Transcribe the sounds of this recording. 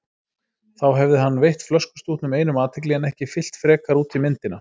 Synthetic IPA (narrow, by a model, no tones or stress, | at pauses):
θawɦɛvðɪɦanːvejht̪flœskʏ̥st̪uːht̪nʏmeːjnʏmaːt̪ʰɪk̬liɣanɛhcɪfɪl̥t̪fɾɛːkaɾuːt̪ʰimɪnt̪ɪna